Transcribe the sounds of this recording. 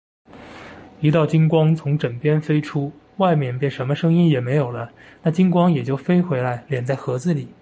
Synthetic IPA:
i˧˥t̪̬ɑ˥˩ʊt͡ɕi˥nkwɑ˥ŋt͡sʰʊ˧˥ŋʈ͡ʂə˨˩ŋpjɛ˥nfe˥ɪʈ͡ʂʰu˥ | wa˥˧ɪmjɛ˥˧npe˥˩ɪʂə˧˥nmə˧ʂɤ˥ŋi˥njɛ˨˩me˧˥ɪjo˨˩ʊlə˦na˥˩t͡ɕi˥nkwɑ˥ŋjɛ˨˩t͡ɕjo˥˩ʊfe˥ɪxwe˧˥ɪla˧˥ɪljɛ˨˩nt͡sa˥˩ɪxɤ˧˥d͡zɹ̩˥˩li˨˩˦

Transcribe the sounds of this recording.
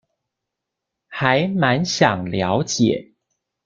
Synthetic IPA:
xa˨˦ɪma˧˦nɕjɑ˨˩ŋljɑ˧˥ʊt͡ɕjɛ˨˩˦

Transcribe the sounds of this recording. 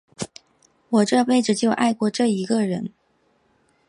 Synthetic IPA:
wɔ˨˩ʈ͡ʂɤ˥˧pe˥˩ɪʈ͡ʂɻ̩˨˩t͡ɕjo˥˧ʊʔa˥˧ɪkwɔ˥˧ʈ͡ʂɤ˥˩i˧˥ɡə˧ɻə˧˥n

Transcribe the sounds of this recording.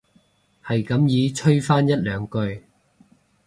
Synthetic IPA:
hɐ˨jkɐ˨˥mjiː˨˧˥t͡ʃʰɵ˥ɥfaː˥njɐ˥t̚lœː˨˧ŋkɵ˧ɥ

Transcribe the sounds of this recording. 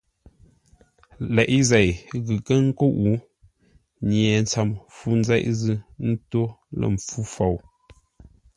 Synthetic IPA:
lɛ˨ʔi˦zɛ˨jɣɨ˨kə˦ŋ̩˦ko˦ʔu˨˦ | ɲjɛ˨n˦t͡sa˨mfu˦n̩˦zɛ˦ʔzɨ˦n̩˦to˦lə̰˨m˨fu˦fa˨w

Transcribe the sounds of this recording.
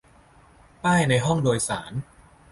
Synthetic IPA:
paː˥˩jna˧jɦɔ˥˩ŋdoː˧jsa̰ː˩˦n

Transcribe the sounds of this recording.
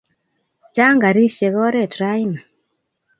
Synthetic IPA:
t͡ʃa˦ŋɡa˨ɾi˦ʃe˨ɣɔ˦ɾɛ˦˨tɾa˦jna˨

